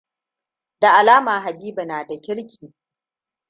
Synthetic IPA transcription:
da˨ʔa˨laː˦maː˨ɦa˨biː˦ba˨naː˨da˨kʲɪ˦ɽkʲʰiː˨

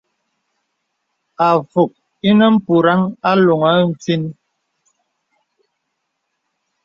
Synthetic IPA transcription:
a˨fu˨k̚ | i˦nə˦m̩˦pu˨ɾa˦ŋa˦lo˨ŋa˨˦n̩˦˨t͡si˦n

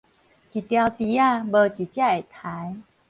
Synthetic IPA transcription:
t͡ɕi˨t̪ja˧wt̪i˧˦a˥˧˨bə˧t͡ɕi˨t͡ɕja˥˧˩e˨˩t̪ʰa˨˦j

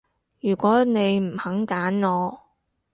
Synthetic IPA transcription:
jyː˨˩kʷɔː˨˥ne˨˧jm̩˨˩hɐ˨˥ŋkaː˨˥nŋɔː˨˧

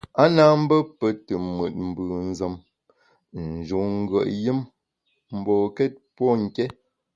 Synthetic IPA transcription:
a˦na˦m̩˦bə˦pə˨tə˨mwə˨t̚m̩˨bʉ˨n̩˦zə˨m | n̩˨d͡ʒu˨ŋ̩˦ɡɰə˨ʔjɨ˦m | m̩˨bɔː˨kɛ˦t̚pwɔ˦ŋ̩˨kɛ˦

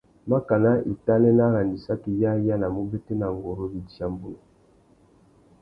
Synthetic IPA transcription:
ma˦ka˨na˦i˨ta˦lɛ˦na˦ɣa˨ndi˨sa˦ki˨ja˦ja˦na˨mo˦be˦te˦na˨ŋɡo˨ɾo˦bi˨di˨a˦mbu˦no˨

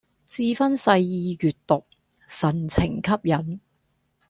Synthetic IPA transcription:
t͡siː˧fɐ˥nsɐ˧jjiː˧jyː˨tt̪ʊ˨k̚ | sɐ˨˩nt͡sʰɪ˨˩ŋkʰɐ˥p̚jɐ˨˥n

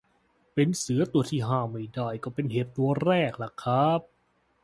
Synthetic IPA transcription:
pe˧nsɯ˩˦ɐt̪u˧ɐt̪ʰiː˥˩ɦaː˧˩ma˧˥˩jdaː˧˩jkɔː˧˩pe˧nheː˨˩t̪̚t̪u˧ɐɾɛː˥˩k̚la˧˩kʰːa˦˥p̚

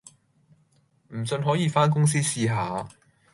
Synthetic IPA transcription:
m̩˨˩sɵ˧nɦɔː˨˥jiː˨˧faː˥nk̬ʊ˥ŋs̬iː˥siː˧ɦaː˨˧

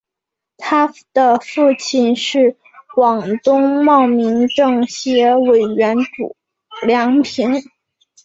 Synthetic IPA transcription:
t̪ʰa˥d̪̥ə˨fu˥˧t͡ɕʰi˥˩nʂɻ̩˥˩ | kwɑ˨˩ŋt̪ʊ˥ŋmɑ˥˩ʊmi˧˥ŋʈ͡ʂɤ˥˩ŋɕjɛ˧˥we˨˩ɪɥɛ˧˥nʈ͡ʂṵ˨˩ | ljɑ˧˥ŋpʰi˧˥n

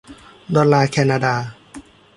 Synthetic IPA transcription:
d̪ɔː˧lːaː˧kʰɛː˧naː˧daː˧

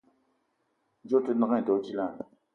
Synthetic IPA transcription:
ɲd͡ʑo˥˨t̪ʰo˥˨na˥χne˨t̪o˨d͡ʑi˨la˨

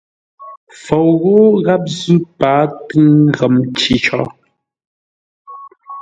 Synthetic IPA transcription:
fo˨wɣo˦ɣa˦p̚zʉ˦paː˨˦tɨ˦ŋɣə˨mt͡ʃi˨˦t͡ʃɔ̰˦

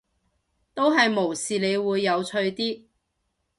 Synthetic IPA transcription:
t̪o˥wɦɐ˨jmo˨˩wsiː˨le˨˧jwuː˨˧jːɐ˨˧wt͡ʃʰɵ˧ɥt̪iː˥

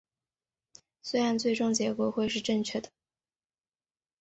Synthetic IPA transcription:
swe˥ɪɻa˧˥nt͡swe˥˧ɪʈ͡ʂʊ˥˧ŋt͡ɕjɛ˧˥kwɔ˧˥xwe˥˧ɪʂɻ̩˥˧ʈ͡ʂɤ˥˧ŋt͡ɕʰɥɛ˥˩d̪ə˩

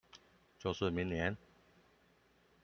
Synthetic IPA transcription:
t͡ɕjo˥˧ʂɻ̩˥˩mi˧˦ŋnjɛ˧˦n

